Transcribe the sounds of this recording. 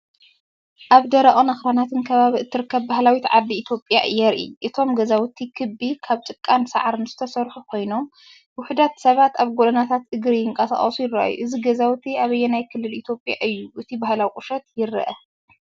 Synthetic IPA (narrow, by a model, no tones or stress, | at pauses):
ʔaβd̪ɐɾɐʔʼonɐxɾanat̪ʰɨnkʰɐβaβiɨt̪ʰːɨɾɨkʰːɐβːahlawit̪ʕad̪lːiːt̪ʰjo̞pʼjaʔɨjɛɾʔḭʔɨt̪ʰo̞mɡɐzawt̪ʰikʰɨbikʰaβt͡ʃʼɨkʼːansa̰ʕaɾɨnzɨt̪ʰɐsɐɾħukʰo̞jno̞m | wʊħud̪at̪sɐβat̪aβɡod̪ɐnat̪ʰat̪ɨɡɾijɪŋkʼɐsa̰χʼɐsujɪɾaʔa̰jṵʔɨziɡɐzawt̪ʰiaβɐjːɛnajkʰɨlːɨlit̪ʰjo̞pʼja̰ʔɨjːuʔɨt̪ʰibahlawikʼʊʃɐt̪̚jɪɾɐ̰ʔɐ